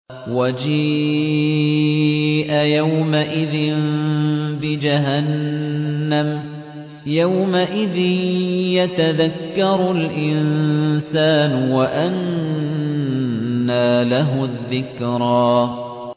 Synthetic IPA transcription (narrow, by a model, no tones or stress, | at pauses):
wad͡ʒiː | ʔajawmaʔɪðɪn | bɪd͡ʒaɦanː | am | jawmaʔɪðɪnjat̪aðakːɑɾˤʊlʔɪnsaːnʊwaʔan | aːlaɦʊðːɪkɾˤɑː